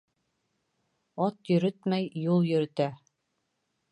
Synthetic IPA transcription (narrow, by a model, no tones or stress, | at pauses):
ɑt̪jɵ̆ɾɘt̪mæjjulˠjɵ̆ɾɘ̆t̪æ